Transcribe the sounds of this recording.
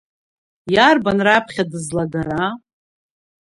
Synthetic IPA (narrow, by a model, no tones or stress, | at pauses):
jarbanrapʰχʲadɨzlaɡaɾa